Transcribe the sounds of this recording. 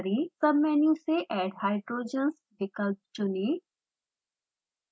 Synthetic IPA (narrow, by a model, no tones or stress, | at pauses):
ɾisɐbmɛːnĩseʔɛːɖhaːɪɖɾoːd͡ʒəns | ɖɪkəlt͡ʃʊniː